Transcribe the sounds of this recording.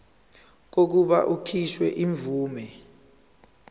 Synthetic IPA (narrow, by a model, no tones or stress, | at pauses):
k̬ok̬uɓaʔukʰiʃwɛʔiɱvuːmɛ